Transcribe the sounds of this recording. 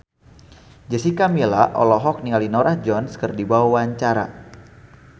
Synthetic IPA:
d͡ʒəsikamilaʔɔ̰lɔɦɔk̚niŋalinɔɾahd͡ʒɔnskərdibawawaɲt͡ʃaɾa̰

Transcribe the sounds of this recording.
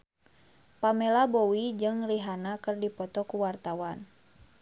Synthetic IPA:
pamɛlabɔwid͡ʒɨŋriɦanakɨrdipɔt̪ɔkuwart̪awan

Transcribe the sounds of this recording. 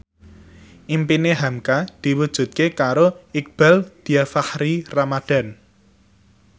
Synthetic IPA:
ʔimpineɦamkad̪̥i̤wud̥ʒ̥ṳt̪̚kekaɾoɪk̚b̥ald̪̥i̤afahɾiramad̥a̤n

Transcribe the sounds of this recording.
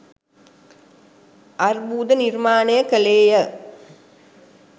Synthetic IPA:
ʔɐrbuːd̪ənirmaːnɐjəkəleːjə

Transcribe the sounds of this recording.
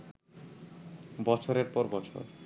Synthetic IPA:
bɔt͡ɕʰoɾeɾpɔɾbɔt͡ɕʰo̰ɾ

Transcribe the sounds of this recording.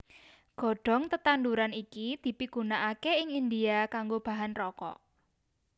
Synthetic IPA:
ɡ̥ɔ̤ɖ̥ɔ̤ŋt̪ət̪and̪uɾanikid̪̥i̤piɡ̥unaʔakeɪŋind̪iakaŋɡob̥a̤ɦanrɔkɔ̰

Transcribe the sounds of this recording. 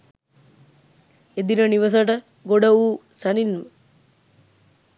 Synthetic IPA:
ed̪inəniʋɐs̬ɐʈə | ɡoɖɐuː | saninmə

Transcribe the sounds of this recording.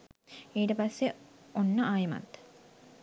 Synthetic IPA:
iːʈəpɐsːeonːəʔaːjɐmɐ̰t̪

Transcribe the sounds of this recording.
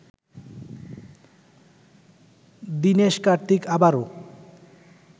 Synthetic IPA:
d̪ineʃkaɾt̪ikabaɾo

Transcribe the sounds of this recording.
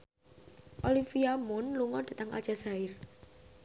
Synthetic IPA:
ʔolifiamʊnluŋɔd̥ä̤t̪əŋʔa̰ld͡ʒ̥a̤saɪr

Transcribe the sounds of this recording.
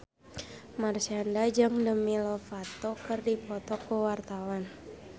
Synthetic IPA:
marsiandad͡ʒɨŋdəmilɔfat̪okərdipɔt̪ɔkəwart̪awan

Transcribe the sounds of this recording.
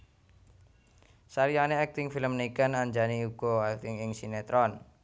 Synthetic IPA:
saɾianeɛk̚t̪ɪŋfiləmnikanaɲd͡ʒaniuɡ̥ɔɛk̚t̪ɪŋɪŋsinet̪ɾɔn

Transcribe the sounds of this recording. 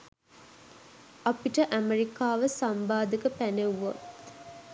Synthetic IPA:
ʔapiʈəʔæmeɾikaːʋəsambaːd̪əkəpæneʋːot̪

